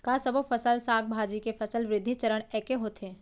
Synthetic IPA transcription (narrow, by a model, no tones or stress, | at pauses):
kasɐbofʰɐsəlsaːk̚bʱaːd͡ʒikefʰɐsəlʋɾɪd̪ʱːit͡ʃəɾəɽ̃ɛːkeɦoːt̪eː